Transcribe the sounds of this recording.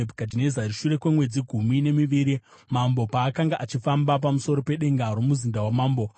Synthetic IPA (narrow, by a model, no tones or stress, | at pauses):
kadinezaɾiʃuɾe̞kwemwe̞d͡ziɡʱumine̞miʋiːɾi | mambo̞paːkaŋɡaʔat͡ʃifambap̬amuso̞ɾo̞pe̞ɗe̞ŋɡaɾo̞muzindawamaːmbo